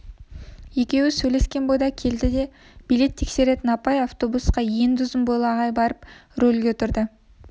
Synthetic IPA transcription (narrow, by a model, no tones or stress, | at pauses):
je̞kʲe̞wɪsɵjle̞skʲe̞nbo̞jd̪ɑkʲʰe̞ld̪ɪd̪e̞ | b̥ijle̞t̪ʰːe̞kse̞ɾe̞t̪ɪnɑpɑjɑft̪o̞busqɑje̞ŋd̪ʏzɪmbolˠɑʁɑjbɑɾəpɾɵlɡʲe̞t̪ʰʊɾd̪ə